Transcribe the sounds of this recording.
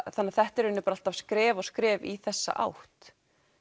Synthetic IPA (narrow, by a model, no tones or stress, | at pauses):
θanːaθɛht̪ɛɾʏnːʏpɾal̥t̪av̥skɾɛːvɔɣskɾɛːviθɛsːa̰ʔa̰wht̪